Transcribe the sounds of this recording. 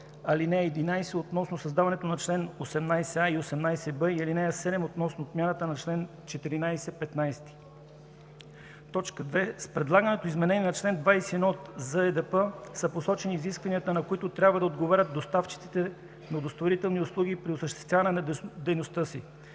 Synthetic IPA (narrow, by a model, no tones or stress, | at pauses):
ɐlinɛɛːd̪inajsɛot̪nɔsnosɐzd̪avɐnɛt̪onɐt͡ʃlɛnosɛmnajsɛaiosɛmnajsɛbəilinɛɛsɛd̪ɛmot̪nɔsnoːt̪mʲjanət̪ənɐt͡ʃlɛn | t͡ʃɛt̪iɾinajsɛpɛt̪najst̪i̥ | t̪ɔt͡ʃkəd̪vɛspɾɛd̪lˠaɡənɛt̪oizmɛnɛnʲiɛnɐt͡ʃlɛnd̪vajsɛɛnɔt̪zəɛd̪ɛpəsɐposɔt͡ʃɛniːziskvɐniət̪ənɐkoit̪ʊt̪ɾʲabvəd̪ɐod̪ɡovaɾʲət̪̚d̪ost̪aft͡ʃi̥t̪si̥t̪ɛ | nɐod̪ost̪voɾit̪ɛlˠnioslˠuɡ̟ʲipɾiosəʃt̪ɛ̥st̪vʲavɐnɛnɐd̪ɛjnost̪ɤsḭ